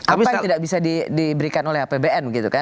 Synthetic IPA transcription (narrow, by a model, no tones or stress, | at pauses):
aatat̪idak̚bisadidibəɾikanolɛhapebeɛnbəɡit̪uka